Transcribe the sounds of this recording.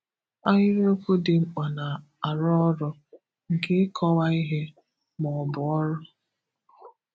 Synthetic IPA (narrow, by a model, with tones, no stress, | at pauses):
a˦ɦɪ˦ɾe˦o˦ku˦dɪ˨ŋ͡m̩˦k͡pa˨na˨ | a˨ɾɔ˦ɔ˦ɾɔ˦ | ŋ̩˨ke˦ɪ˦kʰɔ˦wa˦i˦ɦe˦ | mɔ˨bʊ˨ɔ˦ɾʊ˦